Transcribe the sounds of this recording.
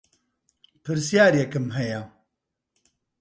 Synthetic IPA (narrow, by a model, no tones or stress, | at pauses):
pʰɨɾsijaːɾjekɨmɦɛja